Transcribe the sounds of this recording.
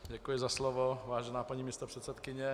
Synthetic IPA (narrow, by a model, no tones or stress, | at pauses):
ɟɛkujɪzaslovovaːʒɛnaːpaɲiːmiːst̪opr̥ɛt̪sɛt̪kɪɲɛ